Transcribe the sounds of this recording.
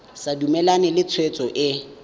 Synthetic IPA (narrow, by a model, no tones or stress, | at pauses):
sadumɛlanɛlɪt͡sʰwet͡sʼɔʔɪ